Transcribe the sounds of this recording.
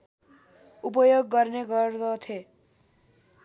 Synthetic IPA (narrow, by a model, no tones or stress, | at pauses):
up̬ʌjoɡːʌrneɡʌrd̪ʌt̪ʰe